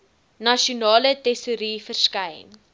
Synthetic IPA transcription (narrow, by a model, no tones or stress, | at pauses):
nɐʃiunɑːlətɛsuɾiːfərskɛjn